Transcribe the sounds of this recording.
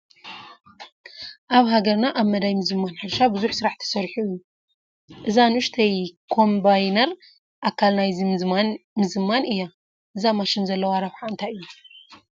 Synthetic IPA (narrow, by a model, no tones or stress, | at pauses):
ʔaβɦaɡɐɾnaʔaβmɐd̪ajmɨzɨmːanħɨɾʃabɨzuħsɨɾaħt̪ʰɐ̥sɐɾħuɨjːu | ʔɨzanuʃt̪ʰɐjkʰo̞mbajnɐɾ | ʔakʰːalnajzimɨzɨmːanɨjːa | ʔɨzamaʃɪnzɐlːɐwaɾɐβħaɨnt̪ʰajɨjːu